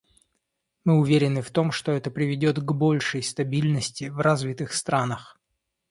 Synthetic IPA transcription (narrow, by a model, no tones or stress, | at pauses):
mɨʊvʲeɾʲɪnɨft̪o̞mʂt̪o̞ɛt̪əpɾʲɪvʲɪdʲo̞t̪ɡbo̞lʲʂəjst̪ɐbʲilʲnəsʲtʲɪvrazvʲit̪ɨxst̪ɾanəx